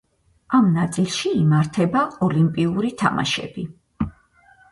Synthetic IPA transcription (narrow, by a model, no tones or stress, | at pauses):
amnat̪sʼilˠʃiːmaɾt̪ʰɛbaɔlimpʼiuɾit̪ʰa̰ma̰ʃɛ̰bi